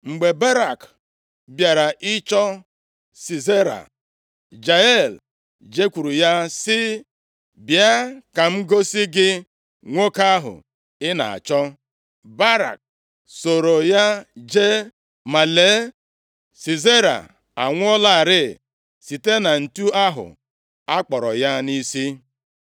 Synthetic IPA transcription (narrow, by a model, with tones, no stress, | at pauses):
ŋ͡m̩˨ɡ͡be˨ba˦ɾa˨k | bja˨ɾa˨ʔɪ˦t͡ʃɔ˦ | si˨ze˦ɾa̰˨ | d͡ʒa˨e˦˨l | d͡ʒe˦kʷu˨ɾu˨ja˦sɪ˦ | bja˦ka˨ŋ͡m̩˦ɡo˦sɪ˦ɡɪ˦ | ŋʷo˦ka˦a˦ɦʊ̰˨ | ɪ˦na̰˨a̰˨t͡ʃɔ˦ | ba˦ɾa̰˨k̚ | so˨ɾo˨ja˦d͡ʒe˦ | ma˨le˨˦ | si˨ze˦ɾa̰˨ | a˨ŋʷʊ˦ɔ˦la˦a˨ɾɪ˦˨ | si˨te˦na˨n̩˨tu˦a˦ɦʊ̰˨ | a˦k͡pɔ˨ɾɔ̰˨ja˦ni˦si˦